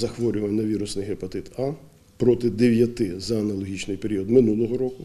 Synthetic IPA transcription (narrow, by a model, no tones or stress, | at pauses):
zɐxʋɔɾʲʊʋɐnɐʋʲiɾʊsnɪjɦepɐt̪ɪt̪ɑ | pɾɔt̪ɪd̪eʋʲjɐt̪ɪzɐːnɐlˠɔɦʲit͡ʃnɪjpeɾʲiɔd̪mɪnulˠɔɦɔɾɔkʊ